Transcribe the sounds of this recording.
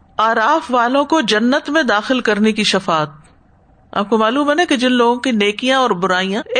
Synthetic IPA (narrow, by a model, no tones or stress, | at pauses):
aːɾaːfʋaːlõkod͡ʒɐnːət̪mẽd̪aːxɪlkɐɾnekiʃɐfaːt̪̚ | a̰ːp̚komaːluːmɦɛːnɦɛked͡ʒɪnloːɡõkineːkijãɔːɾbʊɾaːijã